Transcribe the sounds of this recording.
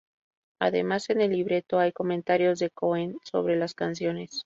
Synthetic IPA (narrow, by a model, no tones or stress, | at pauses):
a̰ðe̞̰mase̞ne̞lːiβɾe̞t̪o̞ajko̞mẽnt̪aɾjo̞zðe̞ko̞enso̞̰β̞ɾe̞laskansjo̞ne̞s